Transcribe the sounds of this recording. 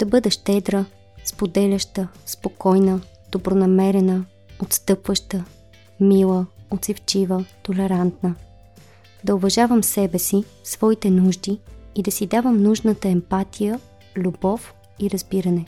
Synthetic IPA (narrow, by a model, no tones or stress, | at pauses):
d̪̥ɐbɤd̪ɛʃt̪ɛd̪ɾə | spod̪ɛlʲəʃt̪əspokɔjnə | d̪̥obɾonɐmɛɾɛnə | ot̪st̪ɤpvəʃt̪ə | milˠəot̪sift͡ʃivət̪olɛɾant̪nə | d̪ɐovɐʒavəmsɛbɛsifsvɔit̪ɛnuʒd̪iːd̪ɐsid̪avəmnuʒnət̪əɛmpat̪ʰijə | lʲubɔf | iɾɐzbiɾənɛ